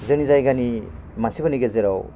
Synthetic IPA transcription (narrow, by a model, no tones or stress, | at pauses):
zɯnizajɡani | mansibɯniɡezeɾaw